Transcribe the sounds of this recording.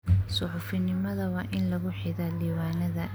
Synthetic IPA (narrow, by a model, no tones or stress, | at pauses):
sʊħʊfɪnɪmɐðɐwɑːʔɪnlɐɣʊħɪðɐliːwaːnɐðɐ